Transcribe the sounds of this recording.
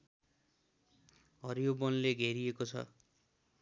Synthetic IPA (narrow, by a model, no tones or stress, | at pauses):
ɦʌɾijobʌnleɡʱeɾiekot͡sʰʌ̰